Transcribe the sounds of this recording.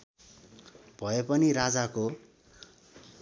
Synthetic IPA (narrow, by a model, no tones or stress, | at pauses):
bʱʌepʌnirad͡zako